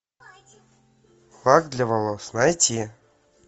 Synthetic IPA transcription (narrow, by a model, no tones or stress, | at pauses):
lˠakd̪lʲavalˠosnajtʲi